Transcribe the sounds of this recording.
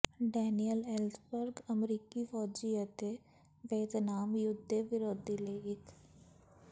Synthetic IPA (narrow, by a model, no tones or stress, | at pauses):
ɖɛːnijəlelsbəɾɡɐmɾiːkifɔːd͡ʒijət̪e | ʋeːd̪naːmjʊd̪ʱːeʋɪɾoːd̪ileɪk